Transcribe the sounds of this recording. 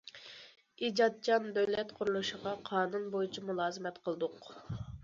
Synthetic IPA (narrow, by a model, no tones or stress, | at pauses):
id͡ʒɑt̪̚t͡ʃʰɑnbøwlɛt̪qʰʊɾulˠuʃəʁɑqʰɑːnunbojit͡ʃʰimulˠɑːzɨmɛt̪qʰəlˠɨd̪ʊq